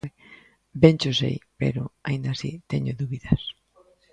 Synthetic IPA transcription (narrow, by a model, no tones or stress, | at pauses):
bent͡ʃosḛjpḛɾʊaĩnd̪asḭt̪eɲʊðuβiðɐs